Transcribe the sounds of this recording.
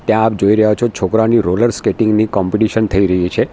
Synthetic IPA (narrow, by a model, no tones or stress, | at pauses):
t̪jãːp̚d͡ʒoiɾəɦot͡ʃʰot͡ʃʰokɾaniɾoləɾskeʈiŋɡnikɔmpiʈiʃənt̪ʰəiɾəɦit͡ʃʰe